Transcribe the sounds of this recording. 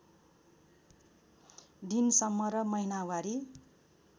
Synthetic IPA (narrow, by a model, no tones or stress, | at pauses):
d̪insʌmːʌɾʌmʌinawaɾi